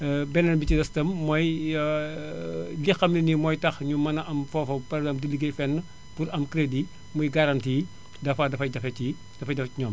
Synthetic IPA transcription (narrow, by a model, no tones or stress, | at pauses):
bɛnɐnbicidɐstɐmːɔj | lixɐmlinimɔːjtɐxɲumɐnɐʔɐmfɔfɐpɐɾɛɡzampdiliɡejfɛnːə | puɾɐmkɾedi | mɔjɡɐɾɐntiː | dɐfɐdɐfɐjdɐfɐci | d̥ɐfɐjdɐfɐciɲɔːm